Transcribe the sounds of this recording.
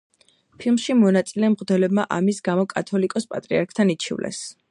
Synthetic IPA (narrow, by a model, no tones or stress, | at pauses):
pʰilˠmʃimɔnat̪sʼilɛmʁʼd̪ɛlɛbmaʔamisɡamɔkʼat̪ʰɔlikʼɔspʼat̪ʼɾiaɾkʰt̪ʰanit͡ʃʰḭvlʔɛ̰s